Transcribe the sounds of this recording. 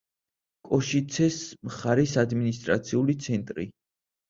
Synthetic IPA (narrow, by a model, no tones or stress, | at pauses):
kʼɔʃit̪sʰɛsmχaɾɛsad̪minist̪ʼɾa̰t̪sʰiulit̪sʰɛnt̪ʼɾḭ